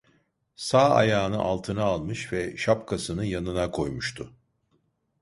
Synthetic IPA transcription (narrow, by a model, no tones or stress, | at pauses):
saːa̰jaːnɯʔalˠt̪ʰɯnaːlˠmɯʃvɛʃapkʰasɯnɯjanɯnakʰo̞jmuʃt̪ʰʊ